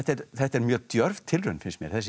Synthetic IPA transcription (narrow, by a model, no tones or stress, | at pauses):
ɛht̪ɛɾθɛht̪ɛɾmjœːɣt̪jœɾvt̪ʰɪlrʏnfɪnsmjɛ̰ɾ̥θɛs